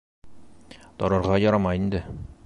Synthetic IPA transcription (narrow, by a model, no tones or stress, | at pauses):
t̪ɒɾɑɾʁɑjɒɾɑmɑind̪ɘ